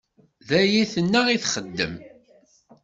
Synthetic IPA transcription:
ðæjiθənːæʁiθχəd̪ːə̰m

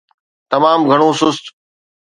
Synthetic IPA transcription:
t̪ɐmaːmɡʱəɽ̃õːsʊst̪

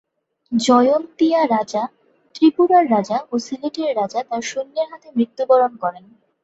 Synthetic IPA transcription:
d͡ʑɔjont̪iaɾad͡ʑa | t̪ɾipuɾaɾːad͡ʑaʔosiliʈeɾːad͡ʑat̪aɾʃunːeɾɦat̪emɾit̪ːubɔɾonkɔɾen

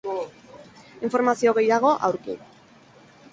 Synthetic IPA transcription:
iɱfo̞ɾmasio̞ɣe̞jaɣ̞o̞ʔawɾkḭ

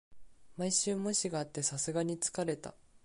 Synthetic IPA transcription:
maiɕɨːmo̞ɕiɡaːt̪ːe̞sasɨɡaɲ̟it͡sɨ̥kaɾe̞t̪a̰

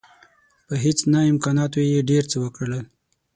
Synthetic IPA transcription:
pəɦet͡snaɪmkɑnɑt̪̬ojeɖeɾt͡səwəkɽəɽəl

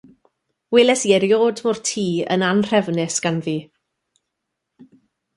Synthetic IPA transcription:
wɪlˠɛsiːɛɾjoːdmɔrtʰiːə̰nanr̥ɛvnɪsɡ̥anviː

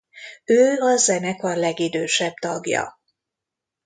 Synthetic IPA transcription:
øːɒzɛnɛkɒlɛɡid̪øːʃɛbt̪ɒɡjɒ̰

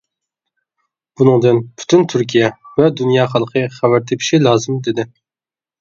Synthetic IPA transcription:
b̥unɨŋd̪ɨnpʰy̥t̪ʰynt̪ʰyɾkʲʰijɛvɛd̪unjɑːχɑlˠqʰəχævæɾt̪ʰɪpʰi̥ʃilˠɑːzɨmd̪ɪd̪ɪ

